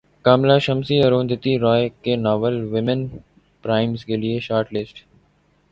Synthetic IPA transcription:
kaːmlaːʃəmsiːəɾõːnd̪ɪt̪iɾɔːekenɔːʋəlʋɪmən | pɾaːɪmskeːlieʃaːɾʈlɪsʈ

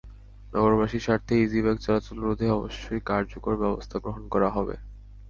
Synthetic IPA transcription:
nɔɡoɾbaʃiɾʃaɾt̪ʰeid͡ʑiβɛɡ̚t͡ɕɔlat͡ɕolɾod̪ʱeɔbo̰ʃːojkaɾd͡ʑokoɾbɛbost̪ʰaɡɾoɦonkɔɾaɦɔbḛ

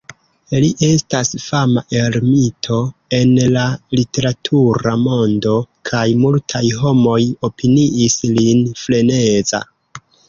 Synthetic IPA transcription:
liʔe̞stasfamaʔe̞ɾmitʰo̞e̞nlalite̞ɾatʰuɾamo̞ndo̞kʰajmultʰajɦo̞mo̞jo̞piniʔislinfle̞ne̞za̰

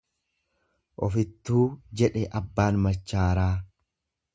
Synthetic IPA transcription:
ʔɔfɪt̪ːuːd͡ʒɛᶑɛʔɐbːaːnmɐt͡ʃːaːɾaː

